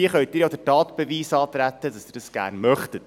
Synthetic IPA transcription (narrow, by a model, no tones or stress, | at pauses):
iəχœʏt̚dɪːɾjodətɑːt̪b̥ɛviːsɑːt̪ɾætːədɑsd̥ɪːɾdɑsɡ̥æ̰ːɾnmœχtət